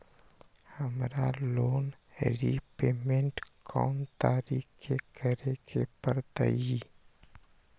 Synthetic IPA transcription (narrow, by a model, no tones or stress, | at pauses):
həmɾaloːn | ɾipeːmẽɳʈkʰɔ̰ːnt̪aːɾiːkʰekʰəɾekepəɾd̪ə̰i